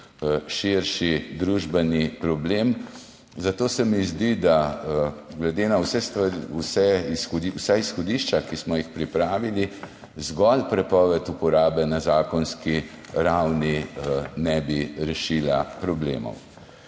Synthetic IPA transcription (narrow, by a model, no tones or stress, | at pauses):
ʃiɾʃid̪ɾuːʒbɛnipɾɔbleːm | zat̪oːsɛmizd̪id̪a | ɡlɛd̪eːnawsɛst̪ʋaɾiusɛisxɔd̪iwsaisxɔd̪iːʃt͡ʃakismɔjixpɾipɾaːʋili | zɡɔlpɾɛpɔːʋɛt̪upɔɾaːbɛnazaːkɔnskiɾawninɛbiɾɛʃiːlapɾɔblḛːmɔ̰w